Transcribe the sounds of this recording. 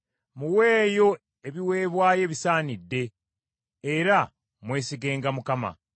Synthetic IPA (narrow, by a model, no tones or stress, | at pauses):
muwe̞ːjo̞ | e̞βiwe̞ːβwaːje̞ːβisaːnidːe̞ː | ɾa | mwe̞ːsiɡe̞ːŋɡamukama̰